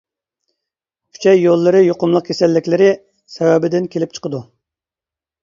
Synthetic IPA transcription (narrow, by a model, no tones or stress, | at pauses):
kʲʰy̥t͡ʃʰɛjːolˠːɨɾɨjoqʊmlˠəq̚kʰʲesɛlːɪkʲlɪɾɪ | sɛwɛbɪd̪ɪnkʲʰelɪp̚t͡ʃʰə̥qəd̪u